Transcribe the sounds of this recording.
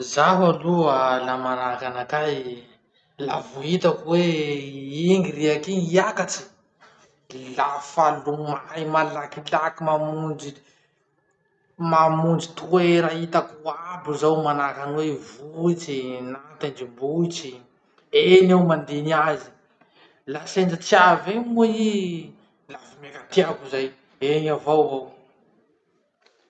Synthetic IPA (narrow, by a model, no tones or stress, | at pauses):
zaɦalualamanakanakaj | la̰vuɦit̪akwe | iŋɡiɾiakiɲiakat͡ʃi̥ | lafalumajmalakilakimamund͡ʒi | mamund͡zit̪ueɾaɦit̪akuabuzawmanakanwevuit͡sinat̪end͡ʒibuit͡si | enewmand̪enazi̥ | lasend͡ʒat͡siavemui | lafamekat̪iakuzaj | eɲavowvow